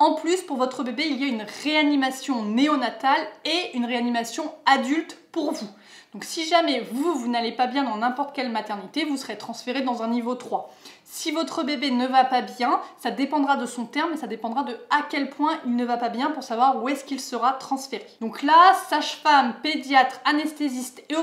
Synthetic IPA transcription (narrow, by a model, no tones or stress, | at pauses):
ɑ̃plyspuʁvɔt̪χəbebeilijaynʁeanimasjɔ̃neɔnat̪aleynʁeanimasjɔ̃ad̪ylt̪puʁvu | d̥̪ɔ̃ksiʒamɛvuvunalepabjɛ̃d̪ɑ̃nɛ̃pɔʁt̪kʲɛlmat̪ɛʁnit̪evusəʁet̪χɑ̃sfeʁed̪ɑ̃zɛ̃nivot̪χwasivɔt̪χəbebenəvapabjɛ̃sad̪epɑ̃d̪ʁad̪əsɔ̃t̪ɛʁmesad̪epɑ̃d̪ʁad̪əakʲɛlpwɛ̃ʔilnəvapabjɛ̃puʁsavwaʁuɛskilsəʁat̪χɑ̃sfeʁed̪̥ɔ̃klasaʃfamped̪jat̪χanɛst̪ezist̪e